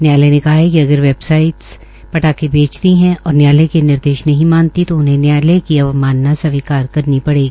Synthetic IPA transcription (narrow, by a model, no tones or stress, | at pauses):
njaːlenekɐɦaekiɐɡəɾʋeːbsaːɪʈs | pɐʈaːkebʱeːt͡ʃt̪iɦɛ̃ɔːɾnjaːlekenɪɾd̪eːʃnɐɦĩmãːnt̪it̪oʊnɦẽnjaːlekiɐʋmaːnːasɐʋikaːɾkɐɾnipɐɽeːɡiiː